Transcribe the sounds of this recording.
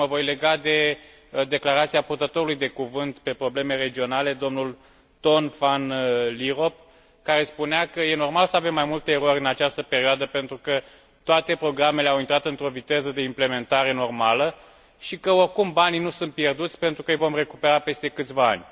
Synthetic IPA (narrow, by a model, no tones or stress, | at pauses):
məvo̞jle̞ɡad̪e̞ | d̪e̞klaɾat̪siapurt̪ət̪o̞ɾulujd̪e̞kuvɨnt̪pe̞pɾo̞ble̞me̞re̞d͡ʒio̞nale̞d̪o̞mnul | t̪o̞nfanliɾo̞p̚ | kaɾe̞spuneakəje̞no̞rmalsəave̞mːajmult̪eːɾo̞ɾʲɨnat͡ʃast̪əpe̞ɾioad̪əpe̞nt̪ɾukə | t̪oat̪e̞pɾo̞ɡɾame̞le̞awint̪ɾat̪ɨnt̪ɾo̞vit̪e̞zəd̪e̞imple̞me̞nt̪aɾe̞no̞rmalə | ʃikəo̞rkumbaninusunt̪̚pje̞rd̪ut̪sʲpe̞nt̪ɾukəjvo̞mre̞kupe̞ɾape̞st̪e̞kɨt̪sʲvaa̰nʲ